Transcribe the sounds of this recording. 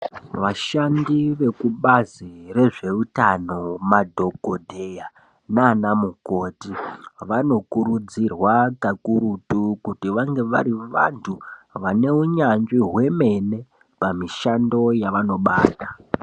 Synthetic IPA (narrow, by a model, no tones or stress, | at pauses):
ʋaʃandiʋe̞kuɓazire̞ʐe̞utano̞madʱo̞ɡodʱeja | naːnamuko̞ːtiʋano̞kuɾud͡zirwakakuɾutukutiʋaŋɡe̞ʋa̰ɾiʋa̰ntʰuʋane̞uɲanʐiɦwe̞me̞ne̞ | pamiʃando̞jaʋano̞ɓaːta